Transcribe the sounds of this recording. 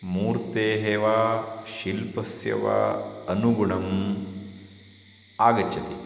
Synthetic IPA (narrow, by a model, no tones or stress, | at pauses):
muːɾt̪eːɦeːʋaʃilpɐsjɐ̰ʋɐ̰ɐnuɡuɳɐm | aːɡɐt͡ʃːɐt̪i